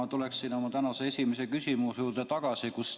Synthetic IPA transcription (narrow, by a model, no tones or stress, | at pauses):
ɑt̪uleksːiːno̞mɑt̪ænɑseesʲimese̞kysʲimusjuːrd̪̥et̪ɑɡ̥ɑsikus